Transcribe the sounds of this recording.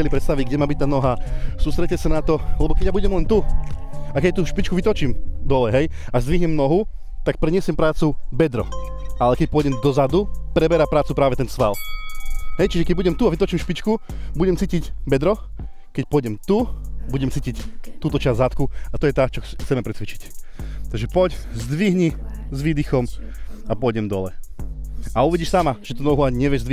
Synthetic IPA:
ɛlipɾɛt̪st̪aʋiɟɡɟɛmaːbic̚t̪aːnɔɦasuːst̪ɾɛc̚ːɛsanat̪ɔlɛbɔkɛɟjabuɟɛmlɛnt̪u | akɛc̚t̪uʃpit͡ʃkuʋit̪ɔt͡ʃiːmd̪ɔlɛɦɛjaʒzd̪ʋiɦɲɛmnɔɦu | t̪ak̚pɾɛɲɪɛsɛmpɾaːt͡subɛd̪ɾɔ̰ | ʔalɛkɛc̚pʊɔjɟɛmd̪ɔzad̪upɾɛbɛɾapɾaːt͡supɾaːʋɛt̪ɛnsʋa̰l | ɦɛjt͡ʃiʒɛkɛɟ̚buɟɛmt̪uaʋit̪ɔt͡ʃiːmʃpit͡ʃku | buɟɛmt͡siːcicbɛd̪ɾɔ | kɛc̚pɔjɟɛmt̪ubuɟɛmt͡siːcict̪uːt̪ɔt͡ʃazʲzat̪kuat̪ɔjɛt̪aːt͡ʃɔt͡sɛmɛpɾɛt͡sʋit͡ʃi̥ct̪aɡʒɛpɔczd̪ʋiɦɲizʋiːd̪ixɔm | apʊɔjɟɛmd̪ɔlɛ̰ | auʋiɟiʃsamaʒ̥ɛt̪ɔnɔɦuaɲiɲɛʋɪɛʒzd̪ʋi

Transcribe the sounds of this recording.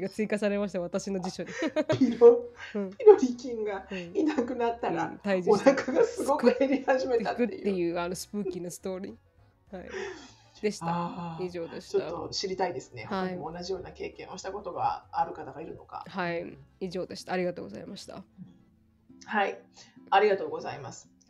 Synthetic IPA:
ɡat͡sɨikasaɾe̞maɕ̬i̥t̪aβat̪aɕino̞d͡ʑiɕo̞ɲipʲiɾoɯ̃ːpʲiɾoɾʲikʲĩŋɡaɯ̃inakɯ̟nat̪ːaɾat̪aid͡ʑionakaɡasɨɡokɯeɾʲihaʑime̞atkɯ̟t̪ːe̞jɯ̟ːano̞sɨ̥pɯːkkʲino̞sɨ̥t̪o̞ːɾʲiː | haḭ | d̪e̞ɕi̥t̪aiʑo̞ːd̪eɕi̥t͡ɕot̪aːoɕiɾʲit̪aid̪e̞sɨ̥ne̞̰hoakaɲimo̞ːnaʑijo̞ːnake̞ːkẽ̞o̞ɕi̥t̪ako̞t̪o̞ɡa̰aɾɯ̟kat̪aɡaiɾɯ̟no̞ka̰haiiʑo̞ːd̪e̞ɕi̥t̪aːɾʲiɡat̪o̞ːɡo̞za̰imaɕi̥t̪a̰ | haiaɾʲiɡat̪o̞ːɡo̞za̰imasɨ̥

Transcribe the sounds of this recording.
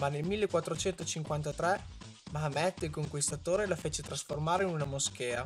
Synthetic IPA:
manelmilːekwat̪ːɾot͡ʃɛnt̪ot͡ʃiŋkwant̪at̪ɾɛ | maamɛd̪ilkoŋkwist̪at̪oːɾelafet͡ʃet̪ɾasformaːɾeinunamosk̟ɛːa

